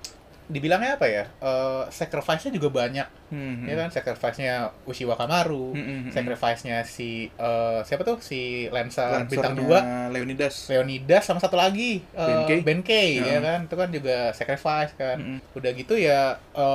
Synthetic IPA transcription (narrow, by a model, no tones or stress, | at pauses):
dibilaŋɲaːpajaəsɛkɾifaisɲad͡ʒuɡabaɲak̚jakansɛkɾifaisɲausiwakamaɾusɛkɾifajsɲasiəsiapat̪ʊhsilɛnsərbint̪aŋdualeonidasleonidasːamasat̪ulaɡiəɛbɛnkejjakant̪ukand͡ʒuɡasɛkɾifajskanudahɡit̪ujaʔəː